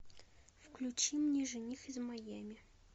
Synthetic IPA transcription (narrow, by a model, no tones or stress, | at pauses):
fklʲut͡ɕimnʲiʐɨnʲixɪzmɐjamʲɪ